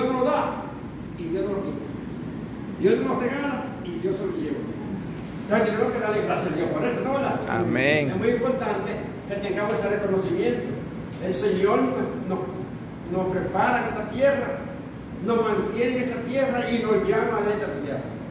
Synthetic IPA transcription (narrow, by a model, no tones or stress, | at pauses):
djonoloða | iðjonoloβit̪a | d̪jononot̪eŋanað | iðjoseloʝeβo | t̪akikɾokeɾalekɾaseðjohpoɾesonoβanðaa̰meŋemwujimpoɾt̪ant̪e | ket̪eŋkaβwesarekonosimjent̪o | elseɲoɾnwenoh | nohpɾepaɾaŋest̪at̪jera | nohmãnt̪jeneest̪at̪jerainoʝamaalaet̪at̪uja̰